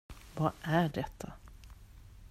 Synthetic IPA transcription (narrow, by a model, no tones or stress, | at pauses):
vaːʔæɖɛt̪ʰːa